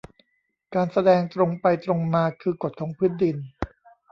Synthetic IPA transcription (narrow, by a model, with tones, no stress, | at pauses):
kaː˧nsa˧dɛː˧ŋt̪ɾo˧ŋpa˧jt̪ɾo˧ŋmaː˧kʰɯː˧ko˨˩t̪̚kʰɔː˩˦ŋpʰɯː˥ndi˧n